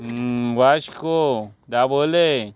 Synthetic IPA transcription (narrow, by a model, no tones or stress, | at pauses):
waʃkod̪aːboːle